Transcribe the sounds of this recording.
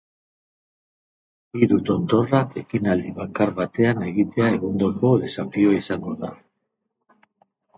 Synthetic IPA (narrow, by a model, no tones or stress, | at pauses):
iɾut̪o̞nd̪o̞rake̞kinald̪iβakaɾβat̪e̞ane̞ɣit̪e̞ae̞ɣond̪oko̞ðesafioaisaŋɡo̞ða̰